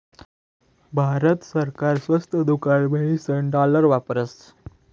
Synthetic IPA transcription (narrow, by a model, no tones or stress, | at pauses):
bʱaɾət̪səɾkaɾsʋəst̪ʰəd̪ukaɽʋəɭisəɳɖaləɾʋapəɾəs